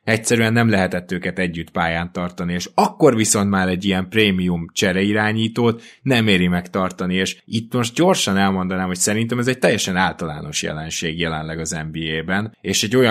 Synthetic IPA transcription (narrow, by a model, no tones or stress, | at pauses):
ɛcsɛɾyɛnːɛmlɛɦɛt̪ɛt̪ːøːkɛt̪ɛɟːyt̪paːjaːnt̪ɒrt̪ɒnieːʃɒkːo̞rviso̞nt̪maːɾɛɟːijɛmpreːmijumt͡ʃɛɾɛiɾaːɲiːt̪oːt̪ | nɛmeːɾimɛkt̪ɒrt̪ɒnieːʃit̪ːmo̞ʃt̪̚ɟo̞rʃɒnɛlmo̞nd̪ɒnaːmho̞csɛɾint̪ɛmɛzɛc̚t̪ɛjːɛʃɛnaːlt̪ɒla̰ːno̞ʃjɛ̰lɛnʃeːɡjɛlɛnlɛɡɒzɛmbiːeːbɛneːʃɛɟːo̞jɒ